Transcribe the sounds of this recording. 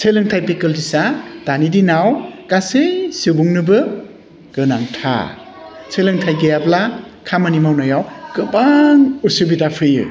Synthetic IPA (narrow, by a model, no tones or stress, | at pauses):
sʰejlɯŋtʰajpikɯldisad̥anidinawkasɯjsɯbuŋnɯbɯ | ɡ̥ɯnaŋtʰa̰ | sʰelɯŋtʰajɡɯjablakʰamɯnimawnɔjawɡ̥ɯbaŋusɯbidapʰɯjɯ̰